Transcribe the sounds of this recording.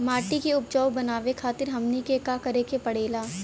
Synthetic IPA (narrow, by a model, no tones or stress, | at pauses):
maːʈikeʊp̚d͡ʒɔːʊbɐnaːʋekʰaːt̪ɪɾɦɐmnikekakɐɾekepɐɽeːlaː